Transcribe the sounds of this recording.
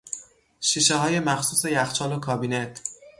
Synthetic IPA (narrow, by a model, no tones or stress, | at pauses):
ʃiːʃeɦɒːje̞mæxsuːse̞jæxt͡ʃʰɒːlokʰɒːbiːnet̪ʰ